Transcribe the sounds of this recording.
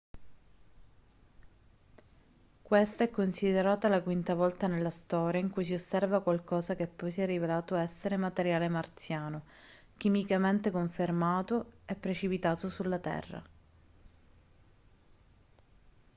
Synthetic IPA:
kwest̪aɛkːonsid̪eɾaːt̪alakwint̪avɔlt̪anelːast̪ɔːɾjaiŋkujs̬iosːɛrvakwalkɔːzak̟epːɔjsiɛrːivelaːt̪oɛsːeɾemat̪eɾjaːlemart̪sjaːno | k̟imikament̪ekoɱfermaːt̪oɛpːɾet͡ʃipit̪aːt̪osulːat̪ɛ̰rːa̰

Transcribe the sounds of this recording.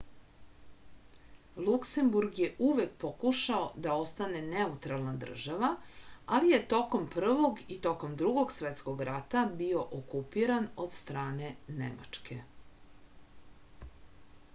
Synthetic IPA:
lˠukse̞mbuɾɡje̞ʔuʋe̞k̚po̞kuʃaod̪ao̞st̪ane̞ne̞ut̪ɾalˠnad̪r̩ʒaʋaalije̞t̪o̞ko̞mpr̩ʋo̞ɡit̪o̞ko̞md̪ɾuɡo̞ɡsʋet̪sko̞ɡɾat̪abio̞ʔokupiɾanod̪st̪ɾaːne̞nḛma̰t͡ʂkʰe̞̰

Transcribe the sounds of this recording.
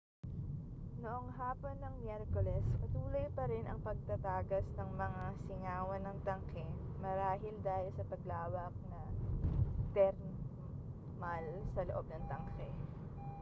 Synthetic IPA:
noʔoŋɦaːpo̞nːɐŋmjɛɾkolɛskɐt̪uːlɐjpɐɾɛnʔɐŋpɐɡ̚t̪ɐt̪aːɡɐsnɐŋmɐŋasɪŋaːwɐnːɐŋt̪ɐŋkɛ | mɐɾaːɦɪld̪aːhɪlsɐp̪ɐɡlaːwɐk̚nɐ | t̪ɛɾ | malsɐloʔo̞b̚nɐŋt̪ɐŋkɛ

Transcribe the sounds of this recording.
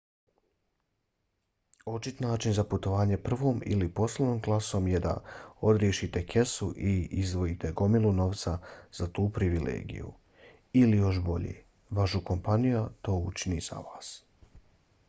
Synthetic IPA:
o̞t͡ʃit̪naːt͡ʃinzaput̪o̞ʋaːɲe̞pr̩ʋo̞ːmḭlipo̞slˠenoːmɡlˠaso̞mje̞d̪a̰o̞d̪ɾjeʃit̪e̞kʰe̞suʔiizd̪ʋo̞jit̪e̞ɡo̞miluno̞ʋt̪saz̥at̪uːpɾiʋilḛːɡḭjṵ | ilijo̞ʃbo̞ʎḛː | ʋaʃuko̞mpanijat̪o̞ːut͡ʃiniz̥a̰ʋaːs

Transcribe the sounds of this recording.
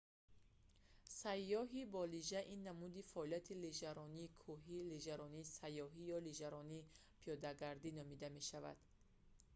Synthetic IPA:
sajːɔɦibɔliʒaʔinːamud̪ifaʔɔliat̪ʰiliʒaɾɔniːkʰuɦileʒaɾɔniːsajːɔɦijɔliʒaɾɔniː | pʰijɔd̪aɡaɾd̪inɔmid̪ame̞ʃava̰d̪̥

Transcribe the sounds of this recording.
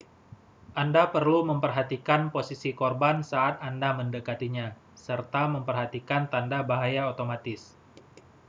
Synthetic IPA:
ʔandapərluməmpərɦat̪ikanposisikorbansaːt̪andaməndəkat̪iɲa | sərt̪aməmpərɦat̪ikant̪andabaɦajaot̪omat̪ɪs

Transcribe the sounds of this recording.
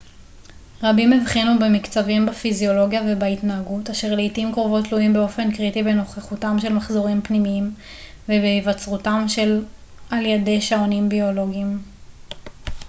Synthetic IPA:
ʁabimevχinube̞mikt͡savimbafizio̞lo̞ɡjave̞baitnaːɡutaʃeʁleitimkʁovo̞tluimbeo̞fe̞nkʁitiveno̞χeχutamʃe̞lmaχzo̞ʁimpnimiim | vebeivat͡sʁutamʃe̞l | ʔaljede̞jʃaonimbio̞lo̞ɡiim

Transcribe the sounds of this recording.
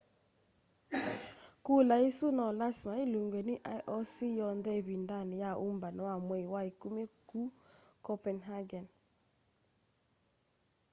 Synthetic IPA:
kulaisunɔlasmailuŋɡweniʔajʔɔsijɔndɛβindanijaʔumbanɔwamweiwaikumekukɔpɛnɦaɡɛn

